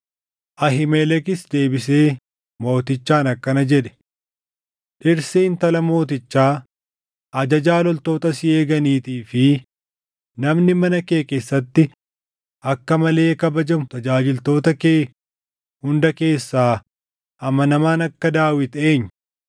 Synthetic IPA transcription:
ʔɐɦɪmɛlɛkɪsd̪e̞ːbɪs̬e̞ː | mo̞ːt̪ɪt͡ʃːaːnɐkːɐnɐd͡ʒɛᶑɛ̥ | ᶑɪɾseːnt̪ɐlɐmo̞ːt̪ɪt͡ʃːaː | ʔɐd͡ʒɐd͡ʒaːlɔlt̪o̞ːt̪ɐsɪeːɡɐniːt̪iːfɪ | nɐmnɪmɐnɐkeːkeːsːɐt̪ːɪ | ʔɐkːɐmɐle̞ːkɐbɐd͡ʒɐmʊt̪ɐd͡ʒaːd͡ʒɪlt̪o̞ːt̪ɐke̞ː | hʊnd̪ɐke̞ːsːaː | ʔɐmɐnɐmaːnɐkːɐd̪aːwɪt̪e̞ːɲː

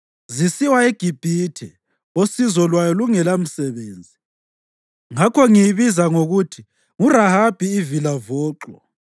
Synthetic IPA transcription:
zisiwaeɡ̥ʱib̥ʱiːtʰɛ | osizɔlwajɔluŋɛlam̩sɛβeːnd͡zʱi | ŋakʰɔŋijiβizaŋoɣutʰi | ŋurahab̥ʱiːvilavɔːǁɔ̰

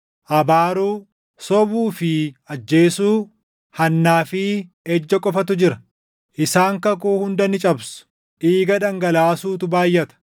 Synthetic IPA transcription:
ʔɐbaːɾuː | sɔbuːfɪɐd͡ʒːe̞ːsuː | hɐnːaːfɪ | ɛd͡ʒːɐkʼɔfɐt̪̬ʊd͡ʒɪɾɐ | ʔɪsaːŋkɐkuːhʊnd̪ɐnɪt͡ʃʼɐbsʊ̥ | ʔiːɡɐᶑɐŋɡɐlaːsuːt̪ʊbaːjːɐt̪ɐ̥

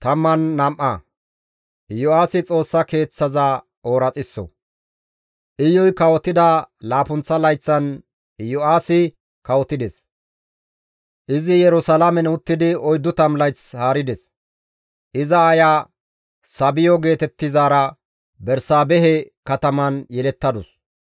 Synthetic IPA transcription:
t̪ɐmːɐnːɐmʔɐ̰ | jʊaːsɪt͡sʼo̞ːsːɐke̞ːt͡sːɐzɐ | oːɾɐt͡sʼɪsːɔ̰ | ʔɪjːɔjkɐwɔt̪ːɪd̪ɐlaːpʊnt͡sːɐlɐjt͡sːɐn | jʊaːsɪ | kɐwɔt̪ɪd̪ɛs | ʔɪzɪjɛɾʊsɐlɐmɛnʊt̪ːɪd̪ɪɔjd̪ːʊt̪ɐmlɐjt͡shaːɾɪd̪ɛs | ʔɪzɐːjaː | sɐbɪjɔɡe̞ːt̪ɛt̪ːɪzaːɾɐ | bɛɾsaːbɛɦɛ | kɐt̪ɐmɐnjɛlɛt̪ːɐd̪ʊs

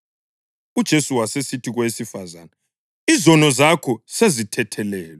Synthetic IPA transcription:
ud̥ʒ̥ʱesuwasesitʰiɣwesifaza̰na | izɔnɔzakʰɔsezitʰɛtʰɛlɛːlɛ

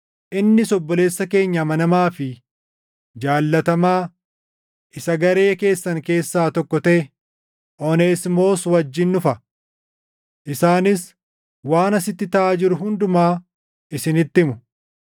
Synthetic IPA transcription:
ʔɪnːɪsɔbːɔle̞ːsːɐke̞ːɲːɐmɐnɐmaːfɪ | d͡ʒaːlːɐt̪ɐmaː | ʔɪsɐɡɐɾe̞ːke̞ːsːɐŋke̞ːsːaːt̪ɔkːɔt̪e | ʔɔneːsmo̞ːswɐd͡ʒːɪnːʊfɐ | ʔɪsaːnɪs | waːnɐsɪt̪ːɪt̪ɐʔaːd͡ʒɪɾʊɦʊnd̪ʊmaː | ɪsɪnɪt̪ːɪmʊ

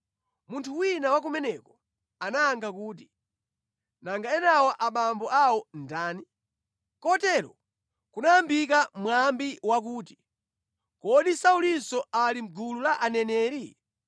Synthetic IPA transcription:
muntʰuwinawak̬umɛnɛkɔ | anaːŋɡakuːti | naŋɡaɛnawɔʔaɓambɔʔawɔndaːni | kɔtɛɾɔ̰ | kunajambikamwambiwak̬uːti̥ | kɔɗisaulisɔalim̩ɡululaʔanɛnɛːɾi

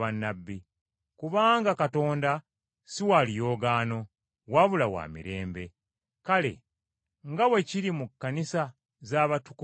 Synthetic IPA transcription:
anːabːi | kuβaːŋɡakato̞ːnda | siwalijo̞ːɡaːno̞ | waβulawa̰ːmḭɾe̞ːmbe̞ | kale̞̰ | ŋɡawe̞ciɾimukːanisa | zaːβatuku

